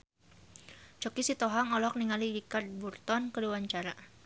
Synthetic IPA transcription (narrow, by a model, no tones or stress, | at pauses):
t͡ʃɔkisit̪ɔɦaŋɔlɔɔk̚niŋaliɾikard̪̚burt̪ɔnkəluwaɲt͡ʃaɾa